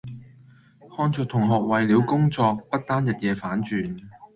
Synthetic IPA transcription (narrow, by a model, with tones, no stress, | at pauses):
hɔː˥nt͡sʰʊ˨˧k̚t̪ʰʊ˨˩ŋɦɔː˨k̚wɐ˨jliː˨˧wkʊ˥ŋt͡sɔː˧k̚pɐ˥t̚t̪aː˥njɐ˨t̚jɛː˨˧faː˨˥nt͡ʃyː˨˩n